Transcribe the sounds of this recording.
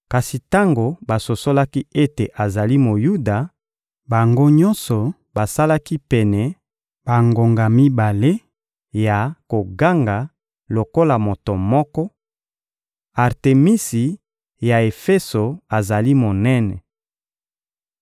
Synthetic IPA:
ka˨si˨ta˦ŋɡo˨ba˨so˨so˦la˦ki˦e˦te˨ʔa˨za˨li˦mo˨ju˦da˨ | ba˨ŋɡo˦ɲɔ˦nsɔ˨ | ba˨sa˦la˦ki˦pɛ˨nɛ˨ | b̥a˨ŋɡo˨ŋɡa˨mi˦ba˨le˦ | ja˨ko˨ɡa˦ŋɡa˨ | lo˨ko˦la˨mo˨to˨mɔ˦kɔ˦ | a˨ʁte˨mi˦si˨ | ja˨e˨fɛ˦so˨a˨za˨li˦mo˨nɛ˦nɛ̰˨

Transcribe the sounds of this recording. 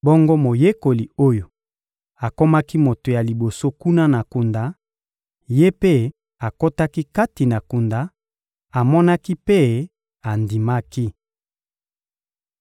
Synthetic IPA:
bɔ˦ŋɡo˦mo˨je˦ko˨li˨o˦jo˨ | a˨ko˦ma˦ki˦mo˨to˨ja˨li˨bo˨so˦ku˦na˦na˨ku˨nda˨˦ | je˦pe˦ | a˨ko˦ta˦ki˦ka˦ti˨na˨ku˨nda˨ | a˨mɔ˦na˦ki˦pe˦ | a˨ndi˨ma˦ki˦

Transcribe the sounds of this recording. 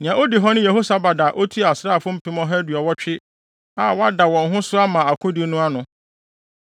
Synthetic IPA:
nɪ̃˨ã˨o˦di˨ɦɔ˦nʊ̃˦je˨ɦo˦sa˨ba˨da˨ʔo˦tʰu˦a˨sɾaː˦˨fʊ̃˦m̩˦pʰɪ̃˦mɔ̃˦ɦɛ˦dɥɔ˨wɔ˦t͡ɕᶣɪ˦ | a˨wɔ˦a˦da˨wɔ̃˨nɦʊ̃˦sʊ˦a˦mã˨a˨kʰʊ̃˦di˦nʊ̃˦a˦nʊ̃˨

